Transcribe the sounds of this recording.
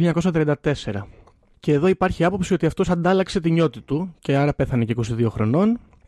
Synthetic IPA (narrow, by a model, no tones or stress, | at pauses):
iɲɐko̞sɐt̪ɾeɐnd̪ɐt̪e̞se̞ɾɐ | ce̞ːðo̞ipɐɾçiɐpo̞psio̞t̪iɐft̪o̞sɐnd̪ɐlɐkse̞t̪iɲo̞t̪it̪uce̞ɐɾɐpe̞θɐneceiko̞siðio̞xɾo̞no̞n